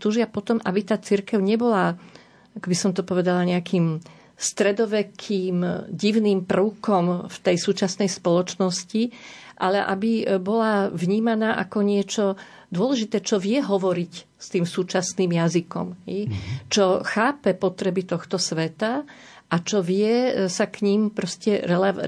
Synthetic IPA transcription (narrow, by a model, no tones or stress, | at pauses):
t̪uːʒɪapɔt̪ɔmʔabit̪aːt͡siɾkɛʊɲɛbɔla | akɔbisɔmt̪ɔpɔʋɛd̪alaɲɛakiːm | st̪ɾɛd̪ɔʋɛkʰiːmɟiʊniːmprəʊkɔmft̪ɛjsuːt͡ʃasnɛjspɔlɔt͡ʃnɔsciʔalɛʔabibɔlaʋɲiːmanaːʔakɔɲɪɛt͡ʃɔ | d̪ʊɔlɛʒit̪ɛːt͡ʃɔʋɪɛɦɔʋɔɾic | st̪iːmsuːt͡ʃasniːmjazikɔ̰mɦɛjt͡ʃɔxaːpɛpɔt̪ɾɛbit̪ɔxt̪ɔsʋɛt̪a | ʔat͡ʃɔʋɪɛsakɲimpɾɔscɛɾɛlɛ